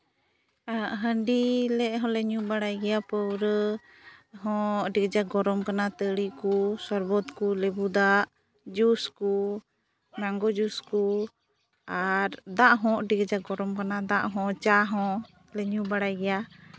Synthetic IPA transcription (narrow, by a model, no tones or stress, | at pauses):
aʔɦəɳɖilɛʔɦɔ̃lɛɲubaɽajɡɛjapəwɾə | ɦɔ̃ʔɖiɡd͡ʒaɡɔɾɔmkanat̪əɽikusɔɾbɔt̪kulɛbud̪aʔ | d͡ʒusku | naŋɡɔd͡ʒusku | aɾd̪aʔɦɔ̃ʔɖiɡd͡ʒaɡɔɾɔmkanad̪aʔɦɔ̃t͡ʃaɦɔ̃ | lɛɲubaɽajɡɛja